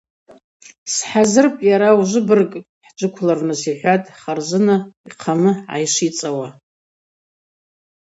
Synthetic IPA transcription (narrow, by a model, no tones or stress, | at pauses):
sħazɨrpʼjaɾauʒʷɨbɨrkʼ | ħd͡ʒʷɨkʷʰlarnɨsiħʷatʼχarzʷɨnaiqʰanɨʕa̰jʂit͡sʼawa